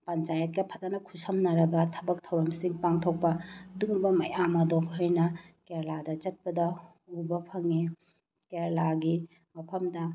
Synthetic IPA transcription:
pɐnt͡ʃajɐt̚kɐpʰɐtanɐkʰusɐmnɐɾɐɡɐtʰɐbɐk̚tʰɐwɾɐmsiŋpaŋtʰok̚pɐduŋbɐmɐjamɐdokhɐjnɐkeɾladɐt͡ʃɐt̚pɐdɐ | ubɐpʰɐŋe | keɾlaɡi | mɐpʰɐmdɐ

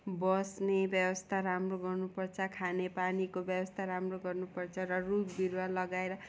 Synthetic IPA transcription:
bʌsnebjʌwʌst̪ʰaɾamroɡʌrnupʌrt͡sʰʌkʰanepanikobjʌwʌst̪ʰaɾamroɡʌrnupʌrt͡sʰʌrʌrukbiɾwalʌɡaeɾʌ

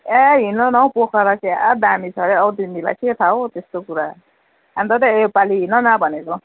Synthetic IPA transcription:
aɦinʌnaw̃pokʰʌɾakead̪amit͡sʰʌɾeʌt̪inila̰ket̪ʰaot̪est̪okuɾa | ant̪ʌt̪ʌepaliɦinʌnabʱʌnet͡sʰʌw̃

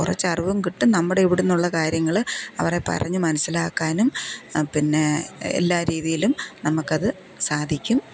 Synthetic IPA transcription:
kurɐt͡ɕːɐriʋɐmkiʈːunɐmːuɽe̞iʋiɽunːuɭːɐkaːɾjɐŋːɐɭɐ̰ʋɐre̞pɐ̰rɐ̰ɲːumɐnɐsilaːkːaːnumpinːe̞ḛlːaːɾiːðijilumnɐmukːɐðɨ | saːd̪ʱikʲːum

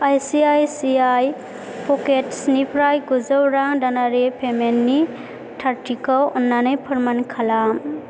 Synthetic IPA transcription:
ajsiajsiaj | pʰɔketsnipʰɾajɡuzɔwɾaŋdanaɾepʰemenːi | tʰaɾʈikɔwɔnːanɯjpʰɔɾmankʰalam

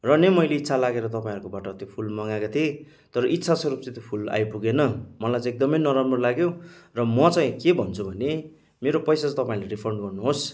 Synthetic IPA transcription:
rʌnemʌjleit̪ːsʰalaɡeɾʌt̪ʌpaĩɦʌɾkobaʈʌt̪jopʰulmʌŋakat̪ʰie | t̪ʌɾʌʔit̪ːsʰasʌɾup̚t͡sʌt̪opʰula̰jpuɡenʌmʌlajt͡sãːek̚d̪ʌmʌjnʌɾamrolaɡjorʌmʌt͡sʌj̃kebʱʌnt͡sʰubʱʌne | meɾopʌjsat͡st̪ʌpaĩlajripʰʌrɳɖɡʌrnuɦos

